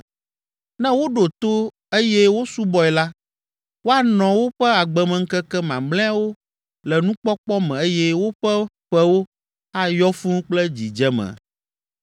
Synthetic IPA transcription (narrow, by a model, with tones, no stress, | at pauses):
nɛ̃˦wo˦ɖo˨t̪o˦ | e˦jɛ˦wo˦su˦bɔ˨ɛ˨la˦ | wo˦a˨nɔ̃˨wo˦ɸɛ˦a˨ɡ͡bɛ˨mɛ̃˨ŋ̩˦kɛ˦kɛ˦mã̰˨mlɛ̃˦a˦wo˦ | lɛ˨nũ˦k͡pɔ˦k͡pɔ˦mɛ̃˨e˦jɛ˦wo˦ɸɛ˦ | ɸɛ˦wo˦ | a˦jɔ˦fu˦nũ˦k͡plɛ˦d͡ʑi˨d͡ʒɛ˦mɛ̰̃˨